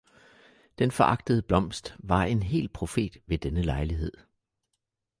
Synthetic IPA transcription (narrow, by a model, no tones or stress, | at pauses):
d̥enfɒ̽ʔɑ̈ɡ̥̚d̥əðˠəb̥lɒ̽m̰sd̥ʋɑ̈e̝nɦe̝̰ːlpʰʁo̝fe̝̰ːd̥ʋe̝d̥enəlɑ̈ɪliɦe̝ð̞̰ˠ